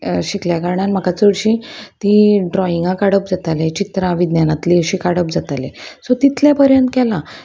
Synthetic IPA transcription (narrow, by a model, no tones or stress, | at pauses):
ɕikljakaɾɳanm̤akat͡səɽɕĩt̪iɖɾɔiŋɡãkaɽəpd͡zat̪alet͡ɕit̪ɾãʋid̪njanat̪liəɕikaɽəp̚d͡zat̪alesot̪it̪ljapəɾjənt̪kɛla